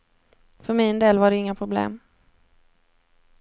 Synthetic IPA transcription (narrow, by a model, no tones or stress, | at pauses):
fœɾmɪnd̪eːlvaɖɛɪŋːapʰɾʊblḛːm